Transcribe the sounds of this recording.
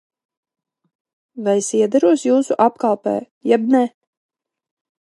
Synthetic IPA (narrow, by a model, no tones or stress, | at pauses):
vajsiɛd̪aɾuɔsjuːsuʔapkalˠpɛ̰ː | jɛbnɛ